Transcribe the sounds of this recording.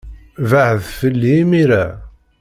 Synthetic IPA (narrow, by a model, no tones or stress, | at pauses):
vaʕəðfəlːimiɾæ